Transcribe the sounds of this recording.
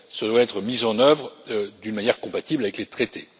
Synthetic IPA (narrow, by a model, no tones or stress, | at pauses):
səd̪waɛt̪χəmizɑ̃nœvʁd̪ynmanjɛʁkɔ̃pat̪iblavɛklet̪χet̪e